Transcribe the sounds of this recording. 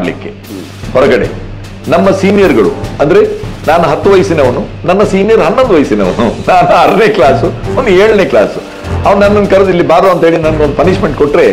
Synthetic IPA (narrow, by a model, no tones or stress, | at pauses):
aɽlḭkːe̞̰ | hɔɾɐɡɐɽe̞̰ | nɐmːɐsiːnijɐɾɡɐɭṵɐnd̪ɾe̞naːnuɦɐt̪ːuʋɐjsineɐʋɐnunɐnːɐsiːnijɐɾɦɐnːond̪uʋɐjsineɐʋɐnunaːnuɐɾɐneːklaːsuond̪eːɭneːklaːsu | ɐʋɐnnɐnːɐnkɐɾɐd̪ilːibaːɾoɐnt̪ɐɦeːɭinɐnɡeond̪upɐniʂme̞ɳʈ̚koʈːɾe̞